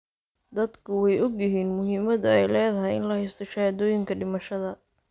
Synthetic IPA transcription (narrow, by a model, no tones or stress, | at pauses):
d̪ɐd̪kʰʊwɛjɔɡjɪɦiːnmʊɦiːmɐd̪ɐɛjlɛːðɐɦɛjɪ̰nlɐhɛjst̪ʰɔʃɐd̪ɔːjɪŋkʰɐɖɪmɐʃɐðɐ